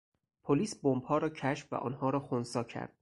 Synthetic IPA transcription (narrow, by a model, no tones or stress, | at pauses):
pʰoliːsbombhɒːɾɒːcʰæʃfvæ̰ʔɒ̰ːnhɒːɾɒːxonsɒːcʰæ̰ɾd̪̥